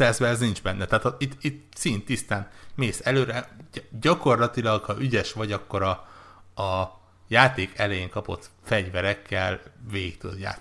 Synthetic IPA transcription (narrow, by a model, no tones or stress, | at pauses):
ɛzbɛɛznind͡ʒbɛnːɛt̪aːt̪ɒit̪ːit̪sint̪ːist̪aːnmeːsɛløːɾɛɟɒko̞rlɒt̪ilɒɡhɒʔyɟɛʃʋɒɟɒkːo̞ɾɒː | jaːt̪eːkɛlɛjeŋkɒpo̞̰t̪fɛɟvɛɾɛkːɛlveːikt̪ø̰d̪ja̰ː